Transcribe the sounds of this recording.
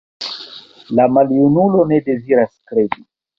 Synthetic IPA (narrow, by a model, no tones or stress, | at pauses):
lamaljunulo̞ne̞de̞ziɾaskɾe̞di